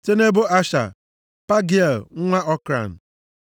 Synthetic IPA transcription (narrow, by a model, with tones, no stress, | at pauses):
te˦ne˦bo˦a˦ʃa̰˨ | pa˦ɡi˦e˨lŋ̩˦ŋʷa˦ʔɔ˦kɾa̰˨n̩˨